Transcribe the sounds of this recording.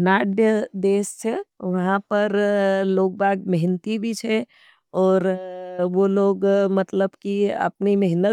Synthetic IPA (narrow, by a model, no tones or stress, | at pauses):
naːɖjəd̪eːst͡ʃʰeʋɐɦãpəɾloːk̚baːɡməɦɪnət̪ibʱit͡ʃʰɛ | ɔːɾʋoloːɡmət̪ləbkiə̰pniməɦɪnə